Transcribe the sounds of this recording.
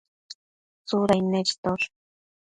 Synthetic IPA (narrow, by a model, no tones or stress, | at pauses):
t͡sʊɾajneɾt̪oɾ